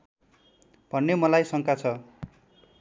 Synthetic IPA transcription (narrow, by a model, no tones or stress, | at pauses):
b̥ʱʌnːemʌlajsʌŋkat͡sʰʌ